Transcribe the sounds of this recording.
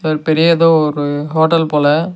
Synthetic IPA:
ɾɯpɛɾɪjɐɛðoːɔɾɯɦoːʈːɐlpoːlɐ

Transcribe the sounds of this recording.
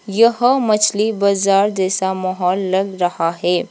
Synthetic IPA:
jɐɦmɐt͡ʃʰlibɐzaːɾd̪eːsamɐɦɔːlːɐɡɾɐhaɦɛː

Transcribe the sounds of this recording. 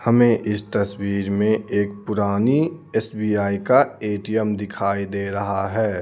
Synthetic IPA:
hɐmẽʔɪst̪ɐswiːɾmẽeːk̚pʊɾaːniɛsbiːaːikaeːʈijəmd̪ɪkʰaːid̪eːɾɐɦaɦɛː

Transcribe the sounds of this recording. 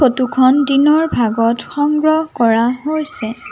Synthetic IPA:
xotukʰɔndinɔɹbʱaɡɔtxɔŋɡɹɔɦkɔɹaɦojsɛ

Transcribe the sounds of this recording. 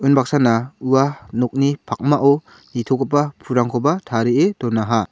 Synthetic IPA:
ɯnbak̚sanauwanɔk̚nipʰak̚maʔɔ | nitʰɔɡapapʰuɾaŋkʰɔbatʰaɾiedɔnːaɦa

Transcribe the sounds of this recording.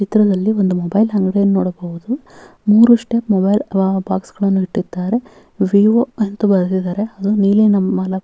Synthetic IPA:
t͡ʃit̪ɾɐd̪ɐlːiond̪umobɐjlɦɐŋɡɽejɐnunoːɽɐbɐʋud̪u | muːɾuʂʈeːpmobɐjlbaːksɡ̥ɐɭɐnːuɦiʈːid̪ːaːɾe̞ | ʋiːʋoent̪ubɐɾd̪id̪aːɾe̞ɐd̪uniːlinɐmːɐlɐ

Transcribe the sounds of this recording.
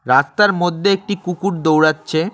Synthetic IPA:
ɾast̪aɾmod̪ʱːeek̚ʈikukuʈd̪owɽatːɕʰe

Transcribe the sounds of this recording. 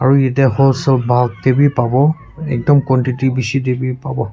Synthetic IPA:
aɹuetiaɦɔlsɔlbʱaɡ̚debipabɔ | ɛk̚dɔmkwɔntitibisidebipabɔ

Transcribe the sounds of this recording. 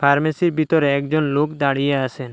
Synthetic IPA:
pʰaɾmesiɾbʱit̪oɾeɛkd͡ʑonlokd̪aɽijeasʰen

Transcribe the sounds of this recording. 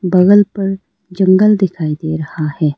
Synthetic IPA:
bɐɣəlpɐɾ | d͡ʒɐ̃ŋɡəld̪ɪkʰaːid̪eːɾɐhahɛː

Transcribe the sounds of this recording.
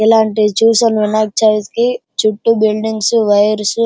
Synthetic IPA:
ilaːɳʈit͡ʃuːsɐnʋinaːk̚t͡ʃaːʋit̪kit͡ʃuʈːubilɖiŋɡsuʋɐjɐɾsu

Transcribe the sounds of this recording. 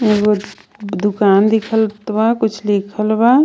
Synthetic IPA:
eɡo | d̪ʊkaːnd̪ikʰəlt̪bakʊt͡ʃʰlikʰəlba

